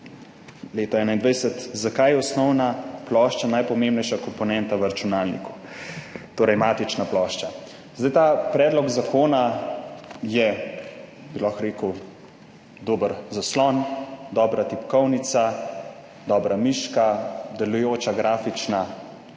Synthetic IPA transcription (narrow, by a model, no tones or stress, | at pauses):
leːt̪ɔɛːnaind̪ʋɛjsət̪zakajɛɔsnɔwnaplɔʃt͡ʃanajpɔmembnɛjʃakɔmpɔnɛnt̪aʋəɾat͡ʃunaːlnḭku̥ | t̪oːɾɐjmaːt̪it͡ʃnaplɔːʃt͡ʃa | zd̪ajt̪apɾɛːd̪lɔkzakʰoːna | jɛ | bilaxɾeːkəw | d̪oːbəɾzaslɔnd̪ɔːbɾat̪ipkɔwnit̪sa | d̪ɔːbɾamiːʃkad̪ɛlujoːt͡ʃaɡɾaːfit͡ʃna